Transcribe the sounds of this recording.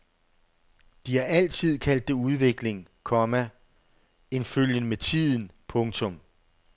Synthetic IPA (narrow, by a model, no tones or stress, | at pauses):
d̥iæɐæl̰t͡sʰið̞̰ˠkʰæl̰d̥ːe̝uð̞ˠʋe̝ɡ̥le̝ŋkʰɒ̽mæ | e̝nføljənəmet͡sʰið̰ˠn̩pʰɔ̽ŋt͡sʰɔ̽m